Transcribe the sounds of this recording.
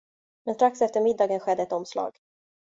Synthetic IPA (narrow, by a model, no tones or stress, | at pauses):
mɛnst̪ɾaksɛft̪əɾmɪd̪ːɑːɡənɧɛd̪ːəɛt̪ɔmslɑ̰ːɡ̥